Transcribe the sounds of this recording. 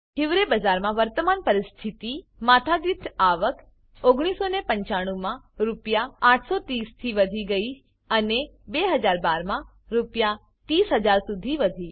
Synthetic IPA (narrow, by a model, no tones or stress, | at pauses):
ɦɪʋɾebəd͡ʒaɾmãʋəɾt̪əmanpəɾɪst̪ʰit̪i | mat̪ʰaɡ̪it̪ʰaʋək | oɡɽ̃isonepə̃ɲt͡ʃaɽ̃ũmã | ɾupjaːʈʰsot̪ist̪ʰiʋəd̪ʱiɡəi | ənebeɦəd͡ʒaɾbaɾmã | ɾupja | t̪isɦəd͡ʒaɾsud̪ʱiʋəd̪ʱi